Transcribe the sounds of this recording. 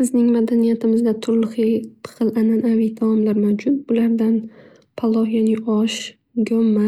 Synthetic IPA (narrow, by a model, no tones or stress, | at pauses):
sɪznɪŋmad̪anijat̪ʰɪmɪzd̪at̪ʰʊɾlɨχit̪ʰɨ̥qʰɨlˠʔananavid̪ʰaɒmlaɾmawd͡ʒʊt̪̚bʊlaɾd̪an | pʰalˠːɒhjaniʔɒʃ | ɡʲɒmːa